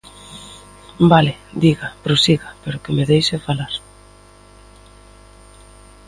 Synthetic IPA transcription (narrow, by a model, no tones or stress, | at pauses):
balɪd̪iɣapɾosiɣapeɾʊkɪmeðejsefalaɾ